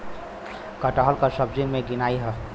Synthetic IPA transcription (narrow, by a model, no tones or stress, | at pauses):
kəʈəɦəlkəsəbd͡ʒiŋmẽɡɪnaːiɦɛ